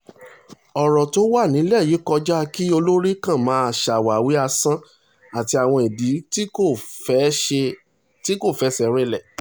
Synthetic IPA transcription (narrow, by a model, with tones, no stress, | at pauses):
ɔ˨ɾɔ˨to˦wa˦˨nĩ˨˦lɛ˦˨ji˨˦kɔ˧d͡ʒa˦ki˦o˧lo˦ɾi˦kã˦˨mã˨˦a˧˨ʃa˨wa˨wi˨˦a˧sã˦ | a˨ti˧a˨w̃ɔ̃˧e˨di˨˦˨ | e˧ | ti˦ko˦˨fɛ˨˦sɛ˧ɾɛ˦lɛ˦˨